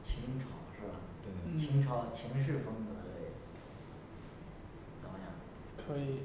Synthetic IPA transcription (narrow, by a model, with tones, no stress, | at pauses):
t͡ɕʰi˧˥ŋʈ͡ʂʰɑ˨˩ʊʂɻ̩˥˩bɐ˨˩t̪t͡ɕʰi˧˥ŋʈ͡ʂʰɑ˧˥ʊt͡ɕʰi˧˥ŋʂ̬ɻ̩˥˩fɤ˥ŋt͡sə˧˥lḛ˥˩ɪ | t͡sɑ˧˥ʊjɑ̰˥˩ | kʰɤ˧˥i˨˩˦